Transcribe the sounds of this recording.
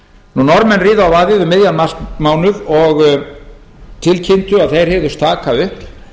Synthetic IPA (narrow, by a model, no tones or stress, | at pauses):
nunɔɾmɛnːriːðaawvaːðjɪðʏmɪðjamaskmaːwnʏvɔɣ | t̪ʰɪlcʰɪnt̪ʏaðθejɾ̥hɛvðʏst̪ʰaːkaʏhp